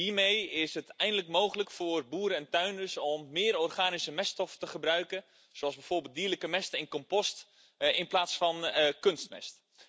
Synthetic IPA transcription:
ɦiːɹmejɪsɦətɛjndələkmowχələkfʊːrbuːɾəɛntœɥnəsɔmːɪːɾɔːrχaːnisəmɛstɔftəχəbrœɥkən | soɑlˠzbɛjv̥oːrbɪːlˠdiːləkəmɛstəɪnkɔmpɔst | ɪnplaːtsfɑnkønstmɛ̰st

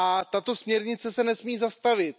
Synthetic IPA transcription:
ʔat̪at̪o̞smɲɛɾɲɪt͡sɛsɛnɛsmiːzast̪avɪt̪̚

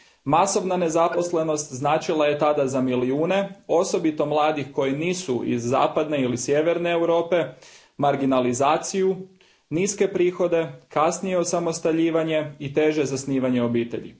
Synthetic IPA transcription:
maso̞ʋnane̞zapo̞sle̞no̞st̪znaːt͡ʃilˠaje̞t̪ad̪azamiliuːne̞o̞so̞bit̪o̞mlˠaːd̪ixko̞jiniːsuḭzːa̰ːpad̪ne̞ilisjeʋe̞ɾne̞ːwɾo̞ːpe̞ | maɾɡinalizaːt̪siju | niːske̞pɾiːxo̞d̪e̞kasnijeosamo̞st̪aʎiːʋaɲe̞it̪e̞ʒe̞zasniːʋaɲeo̞biːt̪e̞̰ʎḭ

